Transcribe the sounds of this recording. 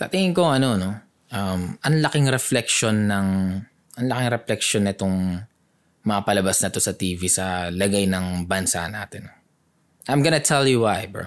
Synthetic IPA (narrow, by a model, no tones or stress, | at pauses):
t̪ɐ̰t̪ɪŋɪŋko̞ŋʔɐno̞no̞ | ʔɐmɐnlɐkɪŋɾɛflɛk̚ʃo̞nːɐŋ | ʔɐŋlɐkɪŋɾɛflɛkʃo̞nɪt̪o̞ŋ | mɐŋɐpɐlɐbasnɐt̪o̞sɐt̪iːvisɐlɐɡajnɐŋbɐnsa̰naːt̪ɪnːo | ʔajmɡɐnɐt̪ʰɛljuwajb̰